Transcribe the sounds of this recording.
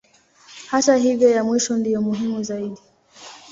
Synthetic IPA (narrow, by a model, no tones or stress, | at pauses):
hataɦivjɔjamwiʃɔndijɔmuɦimuzaiɗi